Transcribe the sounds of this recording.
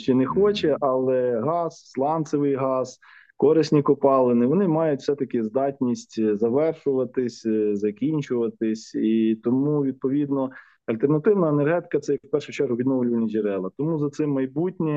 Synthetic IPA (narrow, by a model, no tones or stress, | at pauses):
ʃt͡ʃɛnexɔt͡ʃɛʔɐlˠɛɦɑsslˠɑnt̪sɪʋɪjɦɑz̥ | kɔɾɪsʲnʲikɔpɑlˠenɪʋɔnɪmɑjʊtʲw̥sɛt̪ɐkɪzd̪ɑtʲnʲisʲtʲzɐʋɛrʃʊʋɐt̪ɪsʲzɐkʲinʲt͡ʃʊʋɐt̪ɪsʲit̪ɔmuʋʲid̪̚pɔʋʲid̪nɔ | ɐlʲt̪ernɐt̪ɪwnɐenerɦɛt̪ɪ̥kɐt̪sɛjɐkwpɛrʃʊt͡ʃɛrɦʊʋʲid̪nɔwlʲʊʋɐnʲɐʒeɾɛlˠɐt̪ɔmuzɐt̪sɪmːɐjbutʲnʲi